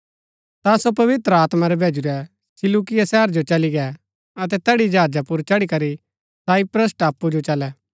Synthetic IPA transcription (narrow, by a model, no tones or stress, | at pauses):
t̪asopɐʋɪt̪ɾəaːt̪maɾɛbʱeːd͡ʒuɾɛ | sɪlukɪjasɛːɾd͡ʒot͡ʃɐliɡɛ | ɐt̪̬ɛt̪ɛɽid͡ʒaːd͡ʒapʊɾt͡ʃɐɽikɐɾi | saːipɾəs̬ʈaːpːud͡ʒot͡ʃɐlɛ